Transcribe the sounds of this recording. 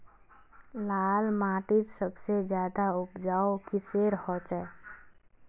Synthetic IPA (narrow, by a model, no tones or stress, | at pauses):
laːlmaːʈ̪ɪt̪səbsed͡ʒjaːd̪aʊpd͡ʒaːokiseːɾhɔːt͡ʃɛ